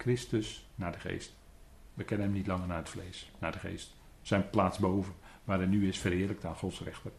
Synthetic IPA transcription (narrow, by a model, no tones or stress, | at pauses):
kʰrɪstəsnaːdəχḛːst | ʋəkɛnənɛmnitlɑŋərnaːətfleːsnaːdəxḛːst | sɛjnplaːtsboːvənʋaːɾɛnyɪsfərhɪːlək̚taːnxɔtsrɛ̰xtər